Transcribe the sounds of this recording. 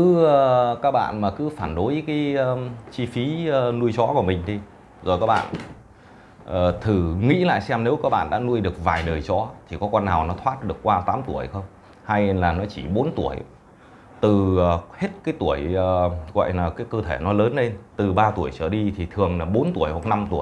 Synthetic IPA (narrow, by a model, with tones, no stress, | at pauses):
kɨ˨˦əː˨˧kaː˦˥k̚ɓa̰ː˧˨nmaː˨˩kɨ˨˦faː˧˩nɗo˨˦jkaː˨˦jəː˧t͡ɕi˧fi˨˦əː˧nu˧əjt͡ɕɔ˨˦kɔ˧˩əmï˨˩ŋ̟t̪ʰi˧ | zo˨˩jkaː˦˥k̚ɓa̰ː˧˨n | ʔəː˨˩t̪ʰɨ˨˩ŋḭ˧˥la̰ː˧˨jsɛ˧mne˨˦wkaː˦˥k̚ɓa̰ː˧˨nɗa̰ː˧˥nu˧əjɗɨ˨˩ək̚vaː˨˩jɗəː˨˩jt͡ɕɔ˨˦t̪ʰi˨˩kɔ˨˦kɔ˧nːaː˨˩wnɔ˨˦t̪ʰwaː˦˥t̚ɗɨ˨˩əkːwaː˧t̪aː˨˦mt̪u˧˩əjxə˧wŋ͡m | ha˧jnlaː˨˩nɔ˨˦t͡ɕi˧˩ɓo˨˦nt̪u˧˩əj | t̪ɨː˨˩˨he˦˥t̚kaː˨˦jt̪u˧˩əjəː˨˩ɣwɔ̰˧˨jlaː˨˩kaː˨˦jkəː˧t̪ʰe˧˩nɔ˨˦ləː˨˦nle˧nt̪ɨ˨˩ɓaː˧t̪u˧˩əjt͡ɕəː˧˩ɗi˧t̪ʰi˨˩t̪ʰɨ˨˩əŋlaː˨˩ɓo˨˦nt̪u˧˩əjhwa˨˩k̚na˧mt̪u˧˩əj